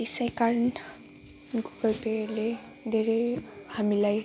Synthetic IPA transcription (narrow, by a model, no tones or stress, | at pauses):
isajkaɾn | ɡuɡʌlpele | d̪ʱeɾejhamilaj